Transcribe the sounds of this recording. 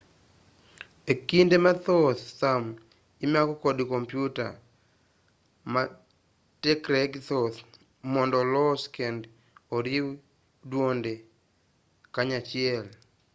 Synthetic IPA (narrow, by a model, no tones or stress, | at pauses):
ekindemat̪ɔθːam | imakɔkɔdkompjuta̰ | ma | tɛkɾɛɡt̪oθ | mɔndɔlɔskɛnd | oɾiw | dwonde | kaɲat͡ʃɪɛl